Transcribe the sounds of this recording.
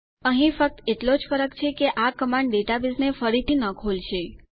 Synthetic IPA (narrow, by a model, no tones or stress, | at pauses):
əɦĩfək̚t̪eʈlod͡ʒfəɾəkt͡ʃʰekeʔakəmãɳɖɖeʈabisnefəɾit̪ʰinəkʰolʃe